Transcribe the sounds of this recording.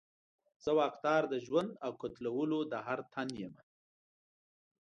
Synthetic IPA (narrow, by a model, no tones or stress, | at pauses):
z̥əwɑːqd̪ɑːɾd̪əʒwand̪awkot̪lawəlod̪əɦaɾt̪ʰanjema